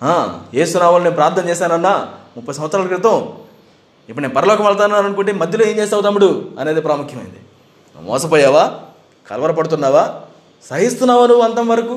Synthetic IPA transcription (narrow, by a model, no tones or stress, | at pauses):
aːjeːsunaːmulneːnpɾaːɾt̪ʰnɐ̃mɲt͡ʃɛːsaːnɐnːaːmupːɐjsɐnʋɐt̪sːɾaːlɐkɾɪt̪ɐm | ipːuɽneːnpɐɾɐlɔːkɐmɐɭɐt̪̬aːunːaːɾɐnkuɳʈeːmɐd̪ʱjɐloːeːmt͡ʃeːs̬ɐwut̪ɐmːuɽuɐne̞ːd̪epɾaːmukʰjɐmɐ̰jḭnd̪i | mɔ̰ːsɐpoːjaːʋaː | kɐ̰lɐʋɐɾɐpɐɽut̪̬unːaːʋaː | sɐɦist̪unːaːʋɐnuɐnt̪ɐmʋɐɾɐku